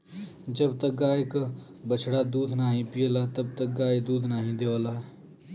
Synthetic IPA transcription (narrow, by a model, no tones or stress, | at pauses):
d͡ʒəbt̪ək̚ɡaːjk | bət͡ʃʰɽad̪uːd̪ʱnaːɦĩpijəlat̪əbt̪ək̚ɡaːjd̪uːd̪ʱnaːɦĩd̪eːʋəlaː